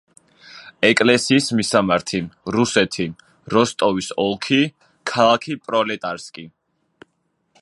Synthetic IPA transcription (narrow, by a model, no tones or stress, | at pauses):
ɛkʼlɛsiːsmisamaɾt̪ʰiɾusɛt̪ʰi | ɾɔst̪ʼɔvisɔlˠkʰi | kʰalˠakʰipʼɾɔlɛt̪ʼaɾskʼi